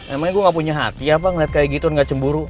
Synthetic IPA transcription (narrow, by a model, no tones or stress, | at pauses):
memaŋɡuaŋɡapuɲaɦa̰t̪iap̬aŋəliat̪̚kajaɡit̪unŋɡat͡ʃəmbuɾu